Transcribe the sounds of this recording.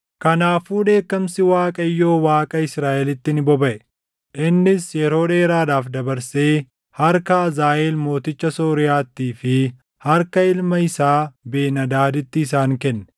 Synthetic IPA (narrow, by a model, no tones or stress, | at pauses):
kɐnaːfuːᶑe̞ːkːɐmsɪwaːkʼɐjːo̞ːwaːkʼɐɪsɾaːʔɛlɪt̪ːɪnɪbɔbɐʔɛ | ʔɪnːɪsjɛɾo̞ːᶑeːɾaːdaːfd̪ɐbɐɾse̞ː | hɐɾkɐɐzaːʔeːlmo̞ːt̪ɪt͡ʃːɐso̞ːɾɪjaːt̪ːiːfɪ | hɐɾkɐɪlmɐɪsaːbeːnɐd̪aːd̪ɪt̪ːɪːs̬aːŋkɛnːɛ̥